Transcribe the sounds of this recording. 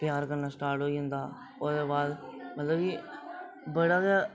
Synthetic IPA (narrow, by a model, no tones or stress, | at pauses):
pjaːɾkəɾnaːsʈaːɾʈɦoːiːɦʊ̃nd̪aː | oːd̪eːbaːd̪mət̪ləbki | bəɽaːka